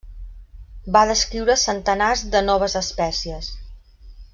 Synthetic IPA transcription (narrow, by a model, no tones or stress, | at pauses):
baðəskɾiwɾəsənt̪ənazd̪ənɔβ̞əzəspɛsiəs